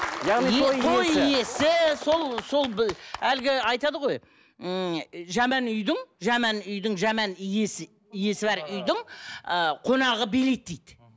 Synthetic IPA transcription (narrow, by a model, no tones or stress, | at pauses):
jɑniesʰolˠje̞sɪso̞lˠso̞lˠbælɡʲɪɑjt̪ɑd̪əʁo̞j | ʒæmænʏjd̪ɪŋʒæmænʏjd̪ɪŋʒæmænijesɪ | ije̞sɪbæɾʏjd̪ɪŋəqʰo̞nɑʁəbe̞let̪̚ːejd̪